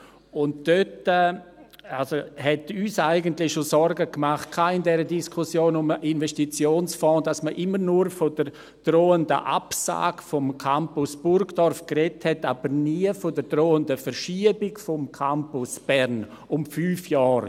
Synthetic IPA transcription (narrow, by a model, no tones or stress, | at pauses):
ʊntd̥øtɛ | alsohɛtyːsaɪɡəntlɪçʃosɔɾɡəkmaχt̚kʰaːɪndɛɾədiskʰusjoːnʊmʔinvɛstit͡sjoːnsfɔ̃ːd̥asməʔɪməɾnuɾfod̥əɾ | d̥roːəndə̰ʔa̰psa̰ːɡ̥fɔmkʰampʊsb̥ʊɾɡd̥ɔrfkrɛthɛtaːb̥əɾniːəfodəɾdroːəndəfəɾʃiəbɪkfɔmkʰampʊsb̥ɛɾn | ʊmfyːfjɔːɾ